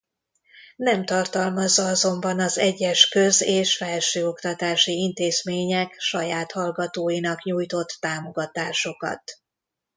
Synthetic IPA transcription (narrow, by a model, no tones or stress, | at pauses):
nɛmt̪ɒrt̪ɒlmɒzːɒɒzo̞mbɒnɒzɛɟːɛʃkøzeːʃfɛlʃøːo̞kt̪ɒt̪aːʃiint̪eːzmeːɲɛkʃɒjaːt̪hɒlɡɒt̪oːjinɒkɲujt̪o̞t̪ːaːmo̞ɡɒt̪aːʃo̞kɒ̰t̪